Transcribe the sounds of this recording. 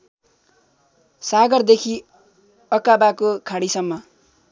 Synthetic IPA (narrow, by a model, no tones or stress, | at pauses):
saɡʌrd̪ekʰi | ʌkabakokʰaɽisʌmːʌ